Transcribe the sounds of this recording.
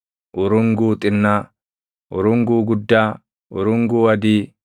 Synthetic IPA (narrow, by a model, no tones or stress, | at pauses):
ʔʊɾʊŋɡuːt̪ʼɪnːaː | ʔʊ̰ɾʊŋɡuːɡʊd̪ːaː | ʔʊ̰ɾʊŋɡuːɐd̪iː